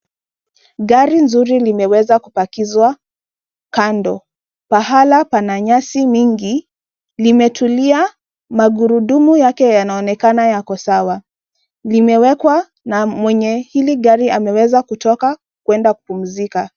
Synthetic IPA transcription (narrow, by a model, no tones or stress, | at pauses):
ɠaɾinzuɾilimɛwɛzakupakizwa | kandɔ | paɦalapanaɲasimiŋɡi | limɛtulia | maɡuɾuɗumujakɛjanaɔnɛkanajakɔsawa | limɛwɛkwa | namwɛɲɛhiliɠaɾiamɛwɛzakutɔka | kwɛndakupum̩zika